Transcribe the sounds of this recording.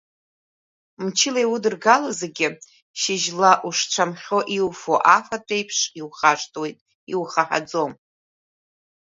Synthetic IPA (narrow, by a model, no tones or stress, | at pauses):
mt͡ʃʰɪlajwʊdɨrɡalazeɡʲɪ | ʃɪʒlaʔuʂʈ͡ʂʷʰamχʲo̞ʔiwfoʔafatʰʼejpʰʂiwχaʂtʰʼwe̞jtʼ | iwχaħa̰d͡zom